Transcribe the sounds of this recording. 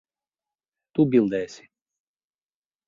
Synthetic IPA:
t̪ubʲilˠd̪ɛɛsʲi̥

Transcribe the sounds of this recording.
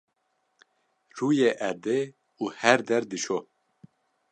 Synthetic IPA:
ruːjeʔɛd̪e | uːhɛɾd̪ɛɾd̪ɨʃo

